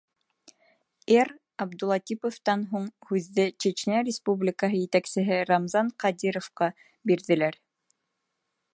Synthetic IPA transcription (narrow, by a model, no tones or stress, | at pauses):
er | ɑbd̪ulˠɑt̪ʲipoft̪ɑnɦuɴhʉðːɘt͡ʃet͡ɕnæɾʲɪspublʲɪkəɦɤjɘ̆t̪æksɘ̆ɦɘɾɑmzɑɴqɑd̪iɾofqɑ | biɾðɘ̆læɾ